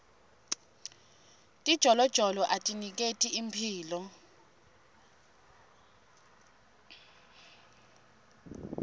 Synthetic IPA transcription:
tʼid̥ʒ̥ʱɔlɔd̥ʒ̥ʱɔlɔʔatʼinik̬ʼetʼiimpʰiːlɔ

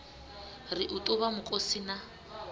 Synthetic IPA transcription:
rɪʔʊtʼʊβamʊkʼosina

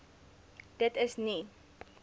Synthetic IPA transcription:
d̥ətəsni

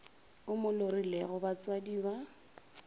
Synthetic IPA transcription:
ʊmʊlorilɛɣʊbat͡swadiba

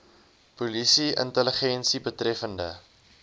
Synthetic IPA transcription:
pulisiə̰ntələχɛnsibətrɛfəndə̰

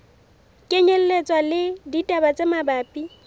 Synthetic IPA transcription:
kʼeɲɛl̩let͡sʼwalɪditʼabat͡sʼemabaːpʼi

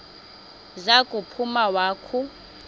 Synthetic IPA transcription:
zakʼupʰumawaːkʰu

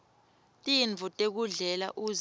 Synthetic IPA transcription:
tʼiɱvʱɔtʼek̬uɮɛla̰ʔu

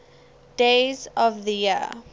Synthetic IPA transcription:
d̥ezɔvðəji

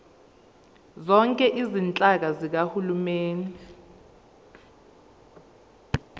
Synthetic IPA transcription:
zɔŋkʼɛʔizint͡ɬʼak̬azik̬ahulumeːni

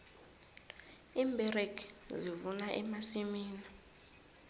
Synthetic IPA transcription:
imbʱɛrekzivunaʔɛmasimiːna

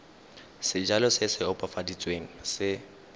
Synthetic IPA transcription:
sɪd͡ʒalɔsɪsɪɔpʼafadit͡sʼweŋ̩sɪ

